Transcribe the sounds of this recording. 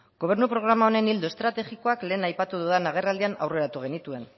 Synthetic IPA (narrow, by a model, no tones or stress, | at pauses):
ɡo̞β̞e̞ɾnupɾo̞ɣ̞ɾamao̞ne̞nild̪uest̪ɾat̪e̞xiko̞akle̞ːnajpat̪uðuðanaɣ̞e̞rald̪iana̰wre̞ɾat̪uɣ̞e̞nit̪ue̞n